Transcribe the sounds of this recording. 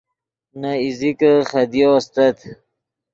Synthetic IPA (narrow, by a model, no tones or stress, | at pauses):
naizikəχɐd̪ijost̪ɐt̪